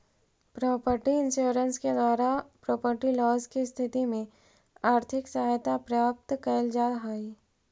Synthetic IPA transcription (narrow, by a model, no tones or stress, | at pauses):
pɾɔːpəɾʈiɪ̃nʃoːɾənsked̪waːɾapɾɔːpəɾʈilɔːzkist̪ʰɪt̪imẽ | aːɾt̪ʰɪksɐɦajt̪apɾjaːp̚t̪kɐjld͡ʒaːlɦaːi